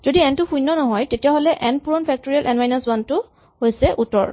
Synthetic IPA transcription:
z̥odiɛntʊxũjnːɔnɔɦɔjtetijaɦolɛʔɛnpuɹɔnpʰɛk̚toɹialʔɛnwajnaswantʊ | hojsɛʔutɔ̰ɹ

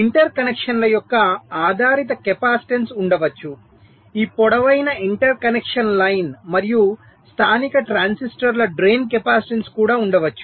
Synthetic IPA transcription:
iɳʈɐɾkɐnekʂɐnlɐjɔkːɐaːd̪ʱaːɾit̪ɐkepaːsi̥ʈensuɳɖɐʋɐt͡ʃːu | iːpɔɽɐʋɐjnɐiɳʈɐɾkɐnekʂɐnlɐjnmɐɾiju | st̪ʰaːnikɐʈɾaːnsisʈɐɾlɐɖɾeːnk̬epaːsiʈenskuːɽaːuɳɖɐʋɐt͡ʃːu̥

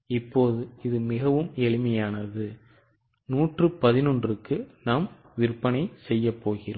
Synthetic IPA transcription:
ɪpːoːðɯɪðɯmɪɣɐʋɯmɛɭɪmɐjaːnɐðɯ | nuːʈrɯpɐðɪnɔndrɯkːɯnaːm | ʋɪɾpːɐnɐɪsɛjːɐpːoːɣɪroː

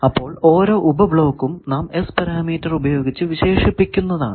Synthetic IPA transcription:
ɐpːo̞ːɭo̞ːɾo̞ːʔubɐbɭo̞ːkːumnaːme̞spɐɾaːmiːtːɐrubɐjo̞ːɡit͡ɕːɨʋiɕe̞ːʂipːikʲːunːɐða̰ːɳɨ

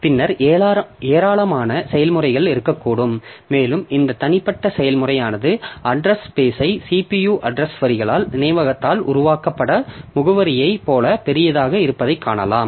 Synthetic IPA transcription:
pɪnːɐɾ | eːɾaːlɐmaːnɐsɛjɐlmɯrɐɪɣɐɭɪɾɯkːɐkːuːɽɯmːeːlɯmɪnd̪ɐt̪ɐnɪpːɐʈːɐsɛjɐlmʊrɐjaːnɐðɯʔɐɖɾɐspeːsɐɪsiːpijuːʔɐɖrɐsʋɐɾɪɣɐɭaːlnɪnɐɪʋɐɣɐt̪ːaːlʔʊ̰ɾʊʋaːkɐpːɐɽɐmʊɣɯʋɐɾɪjɐɪpoːlɐpɛɾɪjɐðaːɣɐɪɾɯpːɐðɐɪkʰːaːɳɐlaːm

